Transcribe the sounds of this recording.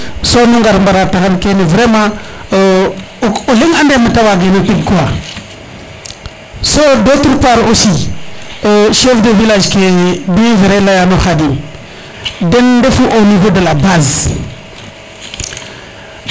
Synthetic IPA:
sonuŋɡaɾmbaɾataɣənkenivɾemã | uliŋandemətawaɡenotiɡ̚kuwa | sodotuɾpaɾosi | oʃefdəvilaʒkediveɾelajanoxadi | dendefuʔonivodəlabaz

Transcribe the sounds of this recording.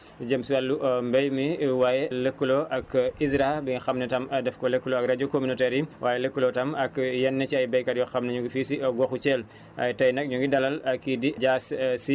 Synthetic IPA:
d͡ʒəmsuwalːuʔmbɛjmiwaːjɛləkːuloʔɐkisɾabiŋxɐmnɛtɐmdɛfkɔləkːulɔɐkrɐd͡ʒokominɔtɛɾiwʔaːjɛləkːulɔtɐmɐkjɛnːɛt͡ʃiɐjbɛjkɐɾjɔxɐmnɛɲuŋɡifiːsiɡɔxut͡ʃɛl | ʔɐ̰jtɐjnɐk̚ɲuŋɡidɐlɐlɐkːidiɟaːssi

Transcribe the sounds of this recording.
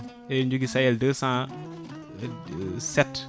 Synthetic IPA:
ɛɲd͡ʒuɡisajɛldəsãː | sɛt

